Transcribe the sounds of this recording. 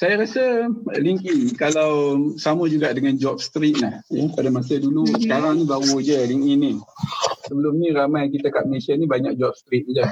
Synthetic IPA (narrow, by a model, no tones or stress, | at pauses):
sajaɾasəliŋkikalawsaməd͡ʒuɡaʔdəŋand͡ʒɔp̚st̪ɾit̪̚lahjəpadamasədulusəkaɾaŋnibaɣud͡ʒəliŋini | səbəlʊmɲə̃ɾamajk̬it̪akaʔ̚məlesianibaɲa̰k̚d͡ʒɔp̚st̪ɾit̪̚d͡ʒa